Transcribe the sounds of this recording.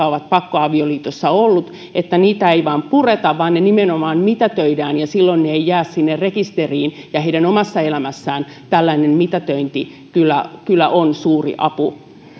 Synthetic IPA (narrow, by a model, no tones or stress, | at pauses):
ɑoʋɑt̪̚pɑkːoɑʋioliːt̪osːɑolːut̪ | et̪ːæniːt̪æeiʋɑːmpuret̪ɑʋʋɑːnnenimenomɑːnmit̪ɑt̪øidæːnjɑsilːonneeijæːssinːerrekist̪eriːnjɑheidænomɑsːɑelæmæsːæːn | t̪ælːæinemmit̪ɑt̪øint̪i | kylːækylːæ̰ʔonsuːrḭʔɑpu